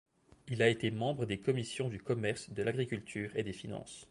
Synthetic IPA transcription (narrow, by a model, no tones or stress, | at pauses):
ilaet̪emɑ̃bʁəd̪ekɔmisjɔ̃d̪ykɔmɛʁsd̪əlaɡʁikʲylt̪ʰyːʁed̪efinɑ̰̃ːs